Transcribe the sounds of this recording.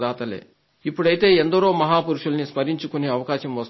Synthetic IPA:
d̪aːt̪ɐlḛː | ipːuɽɐjit̪e̞ːend̪ɐɾo̞ːmɐɦaːpuɾuʂulɐnispɐɾiɲt͡ʃukuneːɐʋɐkaːʃɐmʋɐs

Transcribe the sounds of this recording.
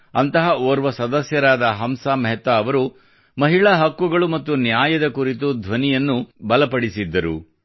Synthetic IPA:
ɐnt̪ɐɦɐoːɾʋɐsɐd̪ɐsjɐɾaːd̪ɐɦɐmsaːmɐɦɛt̪ʋɐɐʋɐɾu | mɐɦiɭɐɦɐkːuɡɐɭumɐt̪ːunjaːjɐd̪ɐkuɾit̪̬ud̪ʱʋɐnijɐnːubɐlɐpɐɽisid̪ːɐɾṵ

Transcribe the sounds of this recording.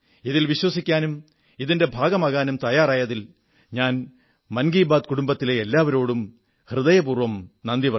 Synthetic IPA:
iðilʋiɕwɐsikʲːaːnum | iðinde̞bʱaːɡɐmaːɣaːnumt̪ɐjaːraːjɐðil | ɲaːn | mɐnɡiːbaːd̪̚kuɽumbɐt̪ːileelːaːʋɐɾo̞ːɽum | hrɨðɐjɐpuːrʋɐmnɐnd̪iʋɐ

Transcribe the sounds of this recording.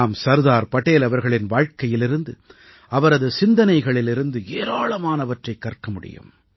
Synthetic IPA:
aːmsɐɾðaːɾpɐʈeːlɐʋɐɾɣɐɭɪnʋaːɻkɐjɪlɪɾɯnd̪ɯ | ɐʋɐɾɐðɯsɪnd̪ɐnɐɪɣɐɭɪlɪɾɯnd̪ɯeːɾaːɭɐmaːnɐʋɐʈrɐɪkːɐrkɐmʊɽɪ̰jɯ̰m

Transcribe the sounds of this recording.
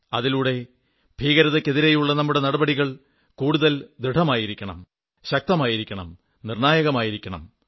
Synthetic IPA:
ɐðiluːɽe̞ | bʱiːɣɐɾɐðɐkːe̞ðiɾe̞juɭːɐnɐmːuɽe̞nɐɽɐbɐɽiɣɐɭ | kuːɽuðɐld̪ɾiɖʱɐmaːjiɾikʲːɐɳɐ̰m | ɕɐk̚t̪ɐmaːjiɾikʲːɐɳɐ̰m | nirɳaːjɐɣɐmaːjiɾikʲːɐɳɐ̰m

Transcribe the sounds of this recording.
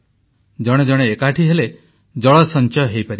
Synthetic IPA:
d͡ʒɔɽ̃ed͡ʒɔɽ̃eːkaʈʰiɦele | d͡ʒɔɭɔsɔnt͡ʃɔjɔɦejpaɾi

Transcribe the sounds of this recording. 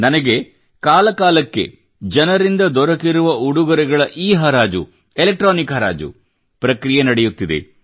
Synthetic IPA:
nɐnɐɡe̞ | kaːlɐkaːlɐkːe̞̰ | d͡ʒɐnɐɾind̪ɐd̪ɔɾɐkiɾuʋɐuɽuɡɐɾɛɡɐɭɐʔiːɦɐɾaːd͡ʒṵ | elek̚ʈɾoːnikɦɐɾa̰ːd͡ʒṵ | pɾɐkɾijenɐɽejut̪ːid̪ḛ

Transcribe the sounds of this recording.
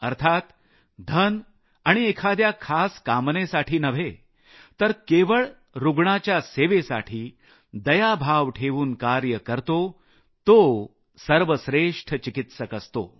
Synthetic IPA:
əɾt̪ʰat̪ | d̪ʱən | aɽ̃iekʰad̪jakʰaskamnesaʈʰiːnəʋ̤ʱe | t̪əɾkeʋəɭ | ɾuɡɳat͡ɕjaseʋesa̰ʈʰiː | d̪əjabʱaʋʈʰeʋuːnkaɾjəkəɾt̪o | t̪o | səɾʋəsɾeʂʈʰt͡ɕikit̪səkəst̪o̰

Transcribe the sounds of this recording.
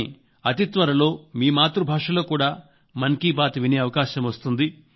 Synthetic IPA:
ɐt̪it̪ʋɐɾɐlo̞ːmiːmaːt̪ɾubʱaːʂɐlo̞ːkuːɽaː | mɐnkiːpaːt̪ɐʋineːɐʋɐkaːɕɐmʋɐst̪und̪i

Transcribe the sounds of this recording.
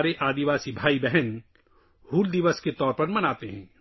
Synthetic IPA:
ɾeʔaːd̪iʋaːsibʱaːibɛɦɛn | huːld̪ɪʋəsket̪ɔːɾpɐɾmɐnaːt̪eɦɛ̃ː

